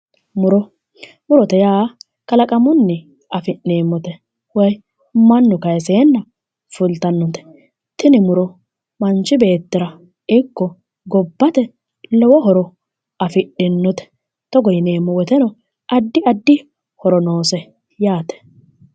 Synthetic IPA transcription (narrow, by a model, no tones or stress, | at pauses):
mʊɾɔ | mʊɾɔt̪ɛjaː | kɐlɐkʼɐmʊnːɛ | ɐfɪneːmːɔt̪ɛ | wɔj | mɐnːɔkɐjɛs̬eːnːɐ | fʊlt̪ɐnːɔt̪ɛ̥ | t̪ɪnɪmʊɾɔ | mɐnt͡ʃːɪbe̞ːt̪ːɪɾɐ | ɪkːɔ | ɡɔbːɐt̪ɛ | lɔwɔɦɔɾɔ | ɐfɪɗɪnːɔt̪ɛ̥ | t̪ɔɡɔjɪneːmːɔwɔt̪ɛnɔ | ʔɐd̪ːɪɐd̪ːɪ | hɔɾɔnoːsɛ | jaːt̪ɛ̥